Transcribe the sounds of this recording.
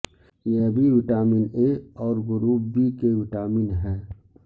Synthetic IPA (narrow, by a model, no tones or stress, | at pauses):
jebʱiʋɪʈaːmineɔːɾɡʊɾuːbikeʋɪʈaːmiːnɦɛː